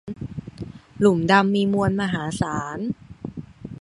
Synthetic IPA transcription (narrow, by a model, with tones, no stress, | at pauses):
lu˨˩mda˧mːiː˧mu˧ənmaː˧ɦaː˩˦saː˩˦n